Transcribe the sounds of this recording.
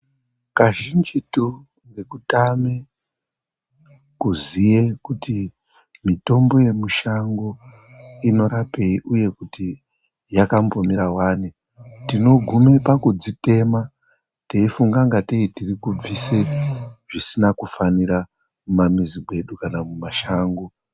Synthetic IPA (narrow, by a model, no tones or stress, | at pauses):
kaʒind͡ʒitu | ŋɡe̞kutame | kuzijekuti | mito̞mbo̞je̞muʃaŋɡo̞ | ino̞ɾape̞iʔuje̞kuti | jakampomiɾawaːni | tino̞ɡʱume̞pakud͡zite̞ma | te̞ifuŋɡaŋɡateitirikub͡viseʐisinakufaniɾa | mumamiziɡwe̞ɗukanamumaʃaːŋɡo